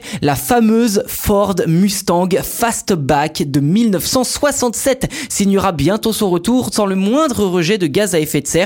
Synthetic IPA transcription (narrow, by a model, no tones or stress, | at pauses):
lafamøzfɔʁd̪myst̪ɑ̃ɡfast̪bakd̪əmilnœfsɑ̃swasɑ̃t̪sɛt̪sinjəʁabjɛ̃t̪osɔ̃ʁət̪uʁsɑ̃ləmwɛ̃d̪ʁəʁəʒɛd̪əɡazaɛfɛt̪sɛːʁ